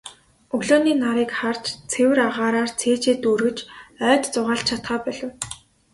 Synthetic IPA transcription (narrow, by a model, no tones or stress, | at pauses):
ɵɣɮoːniːnaɾiːkχart͡ɕt͡sʰewɘ̆ɾaʁaːɾaːrt͡sʰeːt͡ɕeːt̪uɾɘ̆t͡ɕœːt̪t͡sʊʁaːɬt͡ɕʰat̪χaːpœɮə̆w